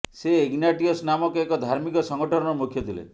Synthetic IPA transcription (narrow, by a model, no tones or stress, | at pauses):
seːɡnaʈiɔsnamɔkeekɔd̪ʱaɾmikɔsɔŋɡɔʈɔɾɔɾɔmukʰjɔt̪ʰilḛ